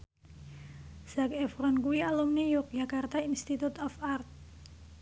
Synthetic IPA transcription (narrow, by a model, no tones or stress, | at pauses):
sakɛfɾɔnkuialumnijɔk̚d͡ʒakart̪ainst̪it̪ut̪ɔfart̪̚